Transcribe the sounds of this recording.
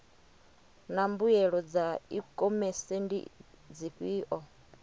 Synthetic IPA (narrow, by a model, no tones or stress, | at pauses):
nambujɛɺɔd͡zaikʼɔmɛsɛndḭd͡ziɸiːʔɔ